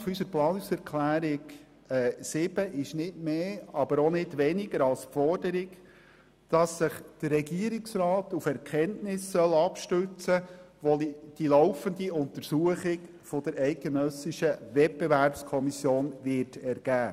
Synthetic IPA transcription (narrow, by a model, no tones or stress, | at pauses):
fysəɾplɑːnʊsɛɾkʰlæːɾɪɡ | ɛsɪb̥əʔɪʃnɪtmeːɑbəɾɔnɪdʋɛnɪɡəɾɑlspfɔrdəɾɪɡ | d̥ɑsːɪχd̥ərːɛɡiəɾɪksrɑːtufɛɾkʰɛntnɪsːœlɑpʃtøt͡sə | ʋɔlid̥ilɔʊfəndiʊnt̪əɾsuəχɪɡ | fɔd̥əɾɛɪt̚ɡ̥enœsɪʃəʋɛt̚b̥eʋæɾpskʰɔmisjoːnʋɪɾtɛɾɡ̥æː